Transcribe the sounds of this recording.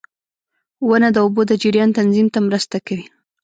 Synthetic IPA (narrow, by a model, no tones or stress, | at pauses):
wənad̪əubod̪əd͡ʒɪɾjɑnt̪anzimt̪amɾəst̪akawi